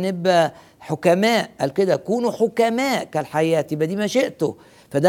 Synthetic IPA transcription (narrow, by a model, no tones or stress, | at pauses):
nebʔæ | ħokæmæːʔʔæ̰ːlked̪ækuːnuħokæmæːʔkælħajæːt̪bæd̪iːmæʃeʔt̪o | fæd̪æ